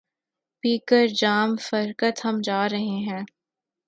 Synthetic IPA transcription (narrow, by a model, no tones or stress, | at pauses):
piːkəɾd͡ʒaːmfɐɾkət̪hɐmd͡ʒaːɾɐɦeɦɛ̃ː